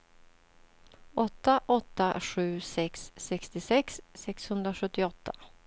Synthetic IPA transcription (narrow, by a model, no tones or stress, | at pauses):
ɔt̪ːaʔɔt̪ːaɧʉ̟ːsɛksːɛkst̪ɪsɛksːɛkshɵnd̪ɾaɧɵt̪ːɪɔt̪ʰːa